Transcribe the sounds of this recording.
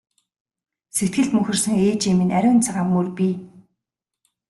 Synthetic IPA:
set̪̚ɡɘ̆ɬt̪mɵxʲɘ̆rsə̆ŋeːt͡ɕiminæɾʲʊːnt͡sʰaʁaːmːurpʲi

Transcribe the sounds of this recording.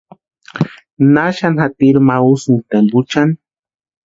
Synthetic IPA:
naʃanxat̪iɾmausunt̪embut͡ʃan

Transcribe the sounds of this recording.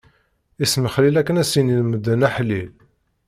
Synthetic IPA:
isməχlilækːənæsininməd̪ːənæħlil

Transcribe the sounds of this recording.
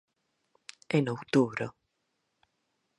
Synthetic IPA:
enowt̪uβɾo

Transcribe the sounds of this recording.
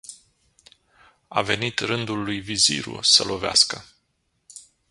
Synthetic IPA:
a̰ve̞nit̪rɨnd̪ulːujvizḭɾṵsəlʔo̞vea̰skə

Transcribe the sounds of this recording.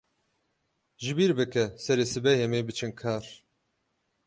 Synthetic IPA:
ʒibiɾbɨkɛsɛɾeːsɨbɛjɛmeːbɨt͡ʃʰɨnkʰaːɾ

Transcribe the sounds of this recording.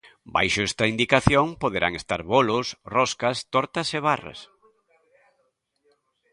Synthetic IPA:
ba̰jʃʊɛst̪ɐind̪ikaθjoŋpoðeɾaŋest̪a̰ɾβolʊsrɔskɐst̪ɔɾt̪ɐseβara̰s

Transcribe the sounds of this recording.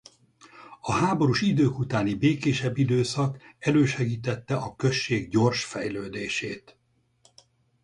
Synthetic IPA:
ɒɦaːbo̞ɾuʃid̪øːkut̪aːnibeːkeːʃɛbːid̪øːsɒkɛløːʃɛɡiːt̪ɛt̪ːɛʔɒkø̞ʃːeːɡɟo̞rʃfɛjløːd̪eːʃeːt̪

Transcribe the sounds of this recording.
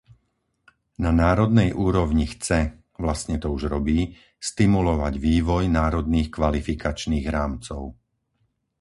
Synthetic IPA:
nanaːɾɔd̪nɛjʔuːɾɔʊɲixt͡sɛ | ʋlast̪ɲɛt̪ɔuʒɾɔbiː | st̪imulɔʋaɟʋiːʋɔjnaːɾɔd̪niːxkʋalifikat͡ʃniːɣɾaːmt͡sɔʊ

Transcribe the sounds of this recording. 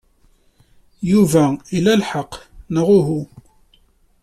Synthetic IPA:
juvæilælħɑqːnəʁʊɦu

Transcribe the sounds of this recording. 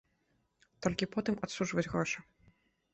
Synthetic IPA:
t̪ɔlʲkʲipɔt̪ɨmat̪suʐvɐd͡zʲɣɾɔʂɐ

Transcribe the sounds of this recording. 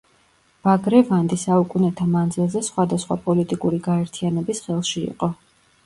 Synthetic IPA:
b̥aɡɾɛvand̪isaukʼunɛt̪ʰamand̪zilˠzɛsχwad̪asχwa̰pʼɔlit̪ʼikʼuɾiɡaɛɾt̪ʰianɛbisχɛlˠʃiḭqʼɔ

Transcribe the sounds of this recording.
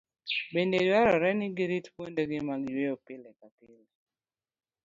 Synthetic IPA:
bendedwaɾɔɾɛnɪɡiɾitpwondeɡɪmaɡweopɪlekakɪl

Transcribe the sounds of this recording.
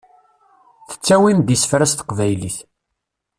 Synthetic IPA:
θə̥t͡sːæwind̪isə̥fɾæst̪ə̥qvæjliθ

